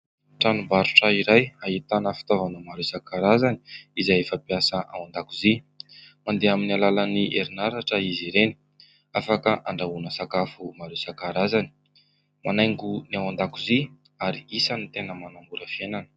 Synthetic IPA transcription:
ʈ͡ʂanubaɾuʈ͡ʂəiɾajait̪anəfi̥t̪ovanumaɾesakaɾazani̥izajefəpiasəʔa̰wand̪akuzi | mand̪eaminialalaniʔeɾinaɾaʈ͡ʂəiziɾeni̥ | afakəʔaɳɖ͡ʐaunəsakafumaɾesakaɾazani̥ | manajŋɡuniawand̪akuzi | aɾiisanit̪enəmanambuɾəfienanə̥

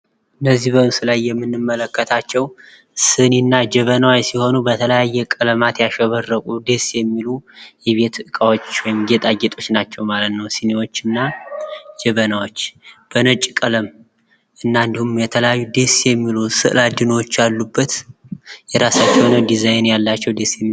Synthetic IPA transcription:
ʔɨnːəzːihbəsɨlajːɛmːɨnːɨmːələkːət̪ʰat͡ʃːɛw | sɨninːad͡ʒɛβənawajsiho̞nubət̪ʰələjajːɛkʼələmat̪jaʃɛβərːəkʼud̪e̞sjɛmːilujɛβe̞t̪ʰʔɨkʼawot͡ʃːwɔjmɡet̪ʼaɡet̪ʼo̞t͡ʃːnat͡ʃːɛwmalət̪nəwsɨnewo̞t͡ʃːɨnːa | d͡ʒɛβənawo̞t͡ʃːb̥ənət͡ʃʼkʼələm | ʔɨnːand̪ihumjɛt̪ʰələjajːud̪esjɛmːilusɨ̰ʔɨlad̪ɨnwot͡ʃːjalːubːət̪ | jɛɾasat͡ʃːɛwnəd̪izajnjalːat͡ʃːɛwd̪esjɛmːi

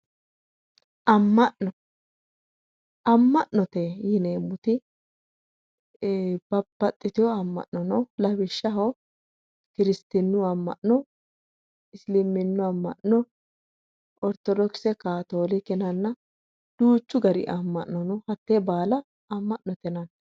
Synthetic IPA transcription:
ʔɐmːɐʔnɔ | ɐmːɐʔnɔt̪ɛjɪneːmːʊt̪ɪ | b̥ɐbːɐt̪ʼːɪt̪ɪjɔɐmːɐ̰ʔnɔnɔlɐbɪʃːɐɦo | kɪɾɪst̪ɪnːʊɐmːɐ̰ʔnɔ | ɪslɪmɪnːʊɐmːɐ̰ʔnɔ | ʔɔɾt̪ɔd̪ɔksɛkaːt̪oːlɪkɛnɐnːɐ | d̪̥uːt͡ʃːʊɡɐɾɪ̰ʔɐmːɐ̰ʔːɔnɔhɐt̪ːeːbaːlɐ | ɐmːɐʔnɔt̪ɛnɐn

